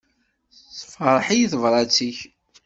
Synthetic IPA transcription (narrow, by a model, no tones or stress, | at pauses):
θfɾˤħijiθəvɾˤɑt͡sːiç